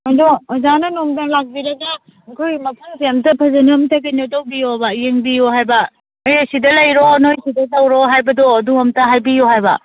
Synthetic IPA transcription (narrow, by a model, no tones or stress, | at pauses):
majdozanɐnomtɐlak̚biɾɐɡɐ | kʰojmɐpʰuŋseɐmtɐpʰɐzɐniɐmtɐkenodowbijobɐjeŋbijoɦajbɐ | ojesidɐlɐjɾonojsidɐtɐwɾoɦajbɐdoɐduɐmtɐɦajbijoɦajbɐ̰